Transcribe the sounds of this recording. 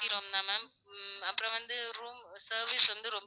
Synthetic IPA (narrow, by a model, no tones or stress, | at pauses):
ɪɾoːmnaːmaːm | ɐpːɯɾɔ̃ʋɐnd̪ɯɾuːmsɐːɾʋisʋɐnd̪ɯɾɔmb